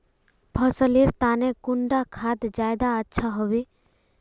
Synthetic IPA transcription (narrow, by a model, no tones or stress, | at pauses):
bʱəsəliɾt̪aːnekʊɳɖakʰad̪d͡ʒaːjd̪aətːʃʰaɦɔʋe